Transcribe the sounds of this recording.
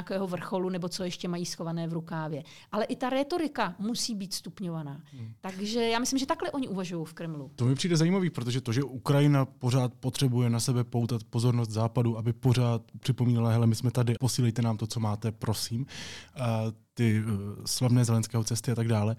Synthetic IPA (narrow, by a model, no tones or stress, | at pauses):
akɛːɦovr̩xo̞lunɛbo̞t͡so̞jɛʃcɛmajiːsxo̞vanɛːvɾukaːvjɛ | ʔalɛʔɪt̪aɾɛt̪o̞ɾɪkamusiːbiːt̪st̪upɲovanaːt̪aɡʒɛjaːmɪslɪmʒɛt̪aklɛʔoɲɪʔuvaʒujowfkɾɛmlut̪omɪpr̥iːdɛzajiːmaviːpɾot̪̬oʒɛt̪o̞ʒɛʔukɾajɪnapo̞r̝aːt̪̚pot̪r̝̥ɛbujɛnasɛbɛpowt̪at̪po̞zo̞ɾnos̬t̪zaːpaduʔabɪpo̞r̝aːt̪̚pr̥ɪpo̞miːnɛlaɦɛlɛmɪsmɛt̪adɪapo̞siːlɛjt̪ɛnaːmt̪o̞t͡so̞maːt̪ɛpɾo̞siːm | t̪ɪslavnɛːzɛlɛnskɛːɦo̞t͡sɛst̪ɪat̪aɡdaːlɛ